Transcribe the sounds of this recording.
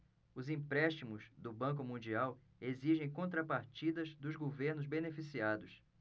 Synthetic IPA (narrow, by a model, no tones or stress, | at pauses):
ʊzĩpɾɛʃt͡ʃimʊzd̪ʊbɐ̃k̬ʊmũnd͡ʒiaw | eziʒẽj̃kõnt̪ɾapaɾt͡ʃid̪ɐzd̪ʊzɡoveɾnʊzbenefisiad̪ʊs